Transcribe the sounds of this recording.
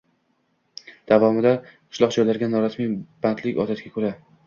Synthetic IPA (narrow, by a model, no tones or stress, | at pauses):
d̪̥avɒmɪd̪aqʰɨ̥ʃlˠɒqd͡ʒɒjlaɾɡʲanːɒɾasmib̥ant̪ʰlɪkʲɒt̪ʰat̪ɡʲakʰɵɾa